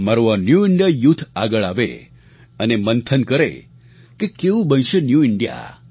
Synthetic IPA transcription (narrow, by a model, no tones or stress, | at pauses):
maɾoanjuiɳɖijajut̪ʰa̰ɡəɭaʋḛ | ənemənt̪ʰənkəɾḛ | kekeʋũbə̃nʃenjuiɳɖja̰